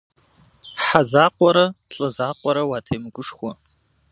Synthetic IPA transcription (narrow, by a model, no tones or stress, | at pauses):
ħazaqʷʼaɾaɬʼazaqʷʼaɾawatʰejmɡʷʊʂχwa